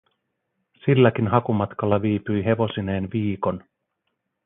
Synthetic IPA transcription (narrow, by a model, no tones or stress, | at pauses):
silːæk̟inɦɑkumɑt̪kɑlːɑʋiːpyjɦe̞ʋo̞sine̞ːnʋiːko̞n